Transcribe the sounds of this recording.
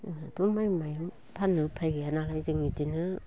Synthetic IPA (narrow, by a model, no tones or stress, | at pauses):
tumajmaj | pʰanɯpʰajɡianalajziŋitinɯ